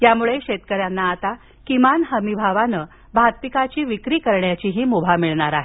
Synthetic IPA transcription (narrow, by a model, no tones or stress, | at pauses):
jamuɭeɕet̪kəɾjanːaːt̪a | kimanɦəmibʱaʋanə | bʱad̪̚pikat͡ɕiːʋikɾiːkəɾɳjat͡ɕiɦiːmubʱamiɭɳaɾaɦe